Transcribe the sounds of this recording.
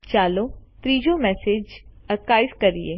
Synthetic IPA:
t͡ʃaːlot̪ɾiːd͡ʒomɛːseːd͡ʒɐɾkaːɪskɐɾieː

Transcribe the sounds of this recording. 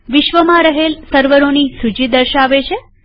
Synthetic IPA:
ʋɪʃʋəmãɾəɦelsəɾʋəɾonisud͡ʒid̪əɾʃaʋet͡ʃʰe

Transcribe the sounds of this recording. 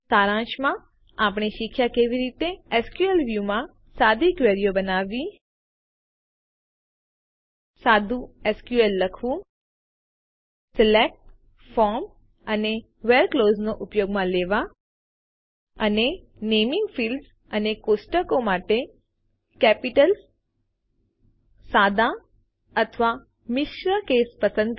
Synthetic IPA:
saɾãʃmã | apɳ̃eʃikʰjakeʋiɾit̪eeskjuelʋjumã | sad̪ʱikʋeɾjobənaʋi | sad̪ʱũeskjuelːəkʰʋũ | sɛlek̚ʈ | fɔɾm | əne | ʋelkloːznoʔʊpjoɡmãleʋa | əne | nemɪŋɡfilɖs | ənekosʈəkomaʈe | kɛpiʈəls | sad̪a | ət̪ʰʋa | mɪʃɾəkespəsə̃nd̪̚

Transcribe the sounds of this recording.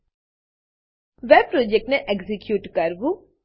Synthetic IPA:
ʋɛpɾoːd͡ʒek̚ʈneʔeɡzikjuːʈkɐɾbu

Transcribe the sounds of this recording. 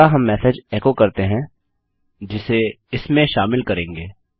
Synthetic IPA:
aɦɐmːɛːsed͡ʒɛkokɐɾt̪eɦɛ̃ | d͡ʒɪse | ɪsmẽʃaːmɪlkɐɾẽːŋɡeː

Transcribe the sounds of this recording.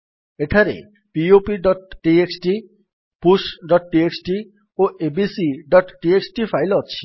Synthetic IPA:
eʈʰaɾḛ | piopiɖɔʈʈieksʈi | pusɖɔʈʈieksʈi | oʔebisiɖɔʈʈieksʈifʰajlɔt͡ɕʰi̥

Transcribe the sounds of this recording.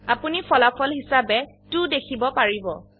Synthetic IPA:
apunipʰɔlapʰɔlɦisabɛ | tudekʰibɔpaɹibɔ

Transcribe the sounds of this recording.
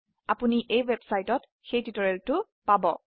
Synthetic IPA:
apuniʔejwebsajtɔt | xejtitɔɹɛltʊ | pabɔ

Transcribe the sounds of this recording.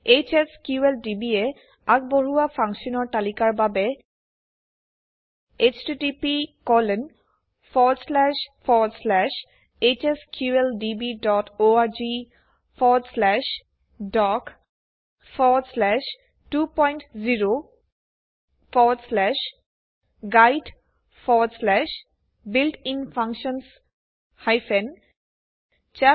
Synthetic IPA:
et͡ʃeskjuelɖibie | aɡ̚boɹuwafʰaŋʃɔnɔɹt̪alikaɹbabe | et͡ʃʈiʈipikɔlen | fʰɔdslɛʃfʰɔdslɛʃ | et͡ʃeskjueldibidɔtoaɹd͡ʒi | fɔːɖslɛʃ | ɖɔːk | fɔːɖslæʃ | ʈuːpɔ̃ɪ̃ɳʈziːɾo | fɔːɖslɛʃ | ɡaɪɖ | fɔːɖslɛʃ | bɪlʈʰɪ̃nfʌ̃ŋkʃə̃ns | haɪfẽn | t͡ʃɛ

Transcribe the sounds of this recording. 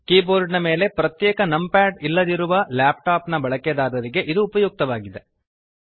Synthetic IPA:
kiːboːɾɖnɐme̞ːle̞pɾɐt̪jɛːkɐnɐmpaːʈilːɐd̪iɾuʋɐlaːp̚ʈaːpnɐbɐɭɐked̪aːɾɐɾiɡe̞ʔid̪uːpɐjuːk̚t̪ɐʋaːɡid̪e̞

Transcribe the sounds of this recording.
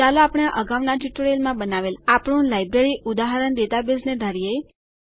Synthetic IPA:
alaapɽ̃aʔəɡaʋnaʈɪʈɽelmãbənaʋelapɳ̃ũlajbɾeɾiʔud̪aɦəɾənd̪et̪abesned̪ʱaɾijej

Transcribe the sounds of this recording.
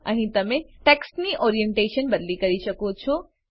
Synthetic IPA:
ə̰ɦĩt̪əmẽʈeksniʔoɾijeɳʈeʃənbəd̪likəɾisəkũt͡ʃʰu

